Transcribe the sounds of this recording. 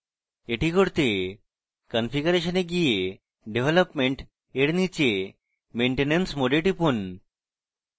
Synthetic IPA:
eʈikoɾt̪e | kɔnfiɡuɾeʃoneɡije | ɖebʱelopmeɳʈ | eɾnit͡ɕe | meɳʈenensmoɖelʈipun

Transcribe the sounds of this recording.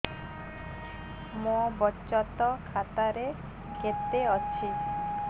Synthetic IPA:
mobɔt͡ʃɔt̪ɔkʰat̪aɾe | ket̪eɔt͡ʃʰi

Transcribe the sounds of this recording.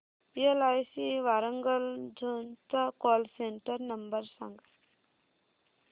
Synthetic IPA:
iəlajsiʋaɾəŋɡəld͡ʒʱunt̪akɔlseɳʈəɾnɐmbəɾsaŋɡa

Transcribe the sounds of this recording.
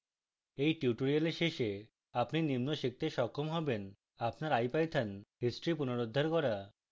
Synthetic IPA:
ejʈiuʈoɾialeʃeʃe | apninimnoʃik̚t̪eʃɔkʰːomɦɔben | apnaɾajpajt̪ʰanɦisʈɾipunoɾod̪ʱːaɾkɔɾa

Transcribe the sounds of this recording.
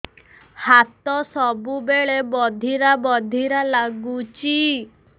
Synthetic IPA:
hat̪ɔsɔbubeɭebɔd̪ʱiɾabɔd̪ʱiɾalaɡut͡ʃi

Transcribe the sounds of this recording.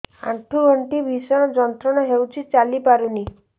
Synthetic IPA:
ã̰ʈʰuɡʱɔɳʈibʱisɔɽ̃ɔd͡ʒɔnt̪ɾɔɽ̃ɔɦewt͡ʃʰit͡ʃalipaɾuni

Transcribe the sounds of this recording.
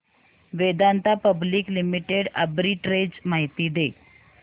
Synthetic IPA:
ʋed̪ant̪apəbliːklimiʈeɽə̰bɾiːʈɾed͡zmaɦit̪iːd̪e

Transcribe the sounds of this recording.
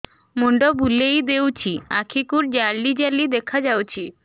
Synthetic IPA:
muɳɖobulejd̪ewt͡ɕʰia̰kʰikuɾd͡ʑaɾɖid͡ʑalid̪ekʰad͡ʑawt͡ɕʰi

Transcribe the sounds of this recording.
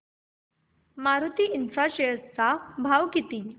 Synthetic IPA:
maɾut̪iːʔinfɾaɕest͡sabʱaʋkit̪i

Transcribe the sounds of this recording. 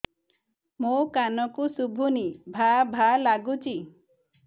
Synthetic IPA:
mokanɔkusubʱunibʱabʱalaɡut͡ʃʰi

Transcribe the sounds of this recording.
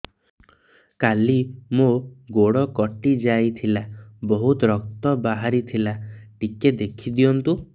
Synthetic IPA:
kalimoɡoɽɔkɔʈid͡ʒajt̪ʰilabɔɦut̪ɔɾɔk̚t̪ɔbaɦaɾit̪ʰilaʈiked̪ekʰid̪ijɔnt̪u

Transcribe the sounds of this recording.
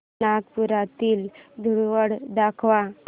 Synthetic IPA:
aɡpuɾat̪iːld̪ʱuɽʋəɽd̪akʰʋa

